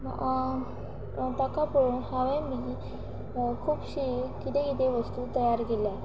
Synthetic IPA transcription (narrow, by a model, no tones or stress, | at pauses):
t̪akapoɾuːnɦaʋemiː | kʰuːpɕikit̪ekit̪eʋəst̪uːt̪əjaɾɡela